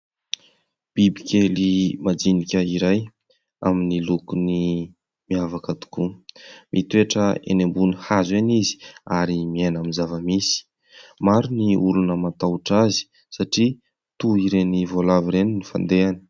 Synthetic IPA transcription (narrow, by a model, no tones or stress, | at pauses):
b̥ibikʲelimad͡zinikʲəiɾaj | aminilukuni | miavakət̪u̥kumʔit̪ueʈ͡ʂəḛnembunihazenizi̥aɾimienamizavəmisi̥ | maɾuniulunəmat̪auʈ͡ʂazi̥ | saʈ͡ʂi | t̪uiɾenivolaviɾeninifa̰nd̪eani̥